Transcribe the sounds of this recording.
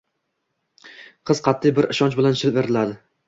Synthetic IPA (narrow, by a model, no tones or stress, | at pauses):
qʰɨz̥qʰɑt̪ʰːɪjbɪɾɪʃɒnt͡ʃbɪlanʃɪlpve̞ɾɪlad̪ɪ